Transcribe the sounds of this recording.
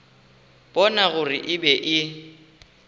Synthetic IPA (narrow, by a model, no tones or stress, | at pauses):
b̥ɔnaɣʊrɪʔɪbɛʔɪ